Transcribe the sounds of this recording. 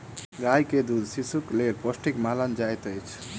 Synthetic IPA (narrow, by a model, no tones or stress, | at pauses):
ɡajked̪ud̪sisuklelpɔsʈikmalənd͡ʒajt̪əjt͡ʃʰ